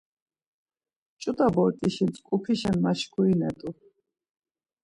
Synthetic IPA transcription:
t͡ʃʼut̪ʼabɔɾt̪ʼiʃint͡sʼkʼupʰiʃɛnmaʃkʰuinɛt̪ʼu

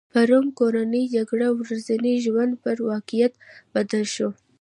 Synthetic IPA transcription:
paɾumkoɾanəd͡ʒaɡɽawɾazaniʒwand̪pəɾwɑkijat̪b̥ad̪alʃo

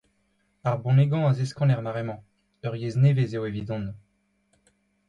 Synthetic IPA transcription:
aʁbɔ̃neɡɑ̃azeskɑ̃nɛʁmaʁemɑ̃ | œʁjeznevezewevid̪ɔ̃n

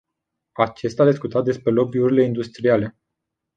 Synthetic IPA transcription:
at͡ʃe̞st̪ad̪iskut̪at̪d̪e̞spɾe̞lo̞biuɾile̞ind̪ust̪ɾiale̞

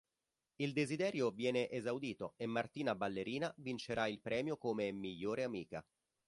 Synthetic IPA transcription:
ild̪ezid̪ɛːɾjovjɛːneʔezawd̪iːt̪oemːart̪iːnabalːeɾiːnavint͡ʃeɾʔailpɾʔɛːmjokomemiʎːoːɾeamiːka̰

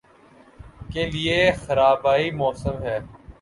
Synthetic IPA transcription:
keliexɐɾaːbaːimɔːsəmɦɛː

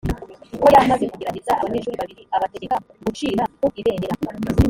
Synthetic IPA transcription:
ukojamaze̞kuɡeɾaɟezaʔa̰βaɲe̞ʃuːɾiβaβiɾiaβate̞ɡekaɡut͡ʃiːɾakoiβe̞ːneɾa

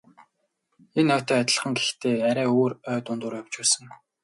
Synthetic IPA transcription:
enœːt̪ʰœːat̪ʲə̆ɮ̆χə̆ŋɡext̪ʰeːæɾʲæːoːrœːt̪ʊnt̪ʊːrjaw̥t͡ɕpæːsə̆ŋ

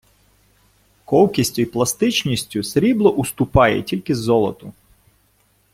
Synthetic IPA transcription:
kɔwkʲisʲtʲʊiplˠɐst̪ɪt͡ʃnʲisʲtʲʊsɾʲiblˠɔʔʊst̪ʊpɑjɛ̰tʲilʲkɪzːɔlˠɔt̪ʊ

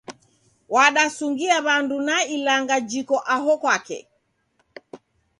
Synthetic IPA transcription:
waɗasuŋɡiaβandunailaŋɡad͡ʒikɔʔaɦɔkwakɛ̰

